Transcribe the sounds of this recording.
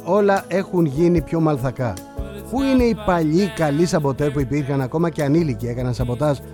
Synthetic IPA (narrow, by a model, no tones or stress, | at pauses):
o̞lɐʔe̞xunʝinipço̞mɐlθɐkɐ | puine̞ipɐʎikɐlisɐpo̞t̪e̞spuipiɾxɐnɐko̞mɐce̞ɐnilicie̞kɐnɐnsɐpo̞t̪ɐs